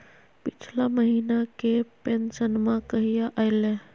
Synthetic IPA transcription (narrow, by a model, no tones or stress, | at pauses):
pit͡ʃʰlaməɦinakepensənmãkəɦijaʔajle